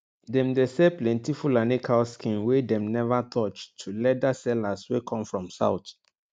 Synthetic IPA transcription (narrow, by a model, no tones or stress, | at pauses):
dɛ̃mdesɛplɛ̃ntifulanekʰalskĩnwedɛ̃mnɛvatʰɔt͡ʃtʰːulɛdasɛlaswekʰɔ̃mfɹɔ̃msa̰ʊt̪